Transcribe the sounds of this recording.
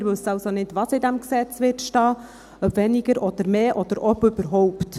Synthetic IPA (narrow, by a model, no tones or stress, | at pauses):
ɾʋɵsːəɑʊsonɪdʋɑsɪd̪æmksɛt͡sʋɪɾtʃtɑː | œbʋɛnɪɡəɾʔɔd̥̪əɾmeːʔɔd̥̪əɾʔɔbɵb̥əɾɦɔʊpt